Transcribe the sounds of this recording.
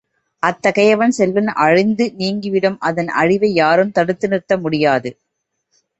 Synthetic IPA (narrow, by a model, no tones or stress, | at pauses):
ʔɐt̪ːɐɣɐjɐʋɐnsɛlːɯnʔɐɻɪnd̪ɯniːŋɡɪʋɪɽɐmʔɐðɐnʔɐ̰ɻɪʋɐɪjaːɾɯmt̪ɐɽɯt̪ːɯnɪrt̪ːɐmʊɽɪjaːðɯ